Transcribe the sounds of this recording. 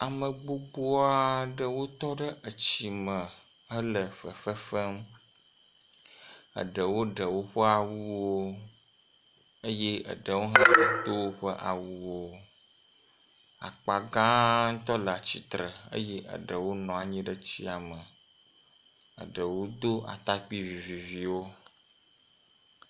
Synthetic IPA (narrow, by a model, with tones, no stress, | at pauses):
a˨mə˨ɡ͡bo˦ɡ͡bo˦a˦ɖə˦wo˦t̪ɔ˦ɖə˦ʔə˨t͡ɕi˨mə̃˨ | ə˦lə˨ɸə˨fə˦fə˦m | ə̰˨ɖə˨wo˦ɖə˨wo˦ɸə˦a˨wu˦wo˦ | ə˦je˦ə̰˨ɖə˨wo˦ɦa˦˨ũ˦t̪o˦wo˦ɸə˦ʔa̰˨wu˦wo˦ | a̰˨k͡pa˨ɡã˦ŋ̩˦t̪ɔ˦lə˨a˨t͡ɕi˨t̪ɾə˨ə̰˦je˦ʔə̰˨ɖə˨wo˦nɔ̃˨a˨ɲĩ˦ɖə˦t͡ɕi˦a˨mə˨ | ə̰˨ɖə˨wo˦d̪o˦ʔa̰˨t̪a˦k͡pi˦vi˨vi˨vi˨wo˦